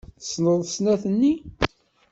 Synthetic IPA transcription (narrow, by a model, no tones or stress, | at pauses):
θəsnəðˤsnæθənːi